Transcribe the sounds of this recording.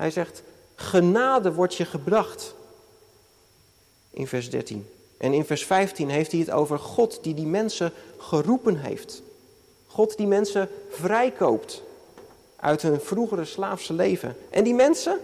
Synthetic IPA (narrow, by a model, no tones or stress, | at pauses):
ɦɛ̰jzɛχt | χənaːdəʋɔɹtjəχəbrɑχt | ʔɪ̰nvɛɹzdɛ̰ɹtḭn | ʔɛ̰nɪnvɛɹsfɛjftinɦejftiɦəto̰wvəɹχɔtdidimɛnsəχərupənɦḛjft | χɔtdimɛnsəvrɛjkowpt | ʔœ̰ɥtɦɵnv̥ruχəɾəslaːfsəlejvə̰nʔɛ̰ndimɛnsə